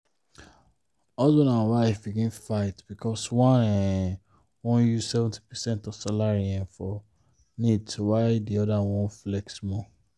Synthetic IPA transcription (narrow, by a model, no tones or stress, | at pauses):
ɔzõnãwaɪfbikĩnfaɪtb̥ikɔswãnɛ | wɔ̃njuz̥sɛvɛ̃nti̥pɛsɛ̃ntɔvsalaɹiɛ̃nfɔ | nidtuwaɪdiɔdawɔ̃nflɛksmɔ